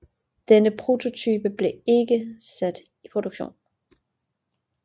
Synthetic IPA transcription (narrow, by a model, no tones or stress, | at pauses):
d̥enəpʰʁo̝t͡sʰo̝t͡sʰyːb̥əb̥le̝e̝ɡ̥əsæd̥ | ipʰʁo̝d̥uɡ̥ɕo̝̰ːn